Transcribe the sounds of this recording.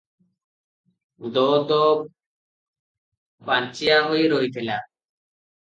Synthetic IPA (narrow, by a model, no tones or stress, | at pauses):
d̪ɔd̪ɔ | pant͡ʃiaɦojeɾoɦit̪ʰela